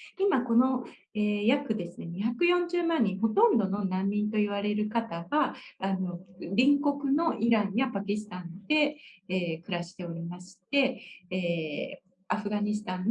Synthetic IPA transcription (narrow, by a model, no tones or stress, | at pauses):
imako̞no̞ | eːjakɯ̟d̪e̞sɨne̞ɲiçakɯ̟jõ̞ɲ̟d͡ʑɨːmãɲ̟ːĩɰ̃ɦo̞t̪õ̞nd̪o̞no̞nãmʲːĩnt̪o̞iβ̞aɾe̞ɾɯ̟kat̪aɡaːno̞ɾʲĩŋko̞kɯ̟no̞ʔiɾãɰ̃japakʲisɨ̥t̪ãnd̪̥e̞ː | kɯ̟ɾaɕi̥t̪e̞o̞ɾʲimaɕi̥t̪e̞ː | aɸɯ̟ɡaɲ̟isɨ̥t̪ãnː